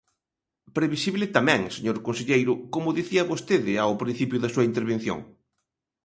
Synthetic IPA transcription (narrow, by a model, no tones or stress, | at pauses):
pɾeβisiβlɪt̪amɛ̃ŋseɲoɾkõnseʎejɾʊkomʊðiθiɐβost̪eðɪawpɾĩn̟θipjʊðɐsuɐint̪eɾβ̞enθjo̰ŋ